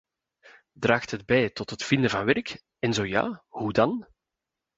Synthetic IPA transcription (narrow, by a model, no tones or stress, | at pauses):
draːxtɦəd̚bɛjtɔtɦətfɪndəvɑnʋɛrk | ɛnzoːja̰ːhudɑn